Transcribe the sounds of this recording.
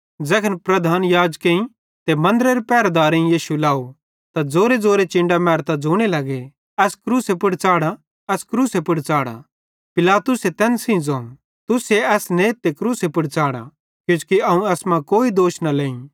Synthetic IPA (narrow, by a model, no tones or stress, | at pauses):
d͡zɛːkʰənpɾɐd̪ʱaːnjaːd͡ʒkẽĩ | t̪emɐ̃nd̪əɾeɾepɛːɾad̪aːɾẽĩjiːʃulaːu | t̪ad͡zoːɾed͡zoːɾet͡ʃɪ̃ɳɖamɛːɾt̪ad͡zoːɽ̃elɐɡe | ɛːskɾuːsepʊɽt͡ʃaːɽa | ɛːskɾuːsepʊɽt͡ʃaːɽa̰ | pɪlaːt̪ʊset̪ɛːnsĩd͡zoːm | t̪ʊseɛːsneːt̪ːekɾuːsepʊɽt͡ʃaːɽa̰ | kjũt͡ʃkiɐũɛːsmãkoːid̪oːʃnalẽːĩ